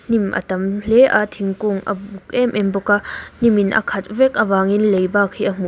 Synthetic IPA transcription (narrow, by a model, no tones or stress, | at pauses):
n̥imʔɐ̰t̪ɐmlɛʔa̰t̪ʰiŋkuŋʔɐ̰buk̚ʔɛmʔɛnbɔkan̥iminʔɐ̰kʰɐt̪̚vɛk̚ʔɐvaːŋinlejbaːkʰːiʔəm̥u